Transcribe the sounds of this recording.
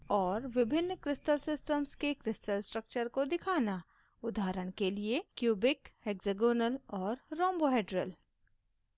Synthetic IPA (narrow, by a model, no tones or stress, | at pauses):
ɔːɾʋɪbʱɪnːkɾɪsʈəlsɪsʈəmskekɾɪsʈəlsʈɾək̚t͡ʃəɾkod̪ɪkʰaːna | ʊd̪ʱaːɾəɽ̃keliekjuːbɪkeːkzeɡoːnəlɔːɾːɔ̃ːmboɦeːɖɾəl